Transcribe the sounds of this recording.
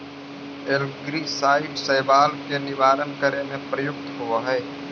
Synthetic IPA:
elɡɾisaːɪʈsəːbaːlkenɪʋaːɾənkəɾemẽpɾəjʊk̚t̪ɦʊʋaɦɛː

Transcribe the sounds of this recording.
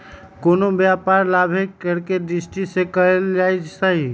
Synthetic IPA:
konobjapaɾlabʱeəɾked̪ɾisʈisekəɾeld͡ʒajt͡ʃsəɦi

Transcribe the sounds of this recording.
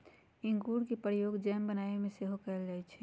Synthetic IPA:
ɪ̃ŋɡuːɽkipɾəjoːɡd͡ʒɛːmbənaːemẽseɦokɛld͡ʒaːɛt͡ʃʰɛ

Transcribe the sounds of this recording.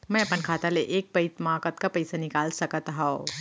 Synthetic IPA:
mɛ̃ɐpənkʰaːt̪aleʔeːk̚pɐit̪maːkət̪kapɐɪsanɪkaːlsɐkət̪ɦão

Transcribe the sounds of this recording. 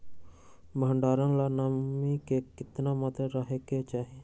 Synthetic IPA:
məəɳɖaːɾãːlaːnamikeːkɪt̪naːmat̪əɾəɦeːket͡ʃaːɦie

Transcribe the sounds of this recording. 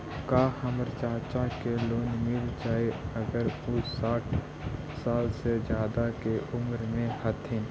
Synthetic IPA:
kaːhəmɾt͡ʃaːɾt͡ʃakeloːnmɪld͡ʒaːeɐɡəɾʊsːaːʈʰ | saːlsed͡ʒjaːd̪akeʔʊmɾmẽhɐt̪ʰɦẽː

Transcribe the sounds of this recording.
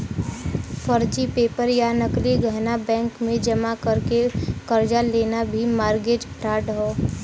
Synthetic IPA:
pʰəɾd͡ʒipeːpəɾjanəkliɡʱəɦnabɛ̃ːŋkmẽd͡ʒəmakəɾkekəɾd͡ʒaleːnabʱimaːɾɡeːd͡ʒpʰɾaːʈɦoː

